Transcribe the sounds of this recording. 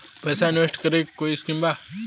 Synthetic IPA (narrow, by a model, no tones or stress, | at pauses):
pesaɪnʋesʈkəɾekoiskimba